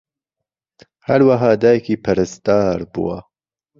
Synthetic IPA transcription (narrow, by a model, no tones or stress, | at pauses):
hɐɾwaɦɑːd̪aːjɛkiːpʰɐɾɨst̪aːɾbṵwa̰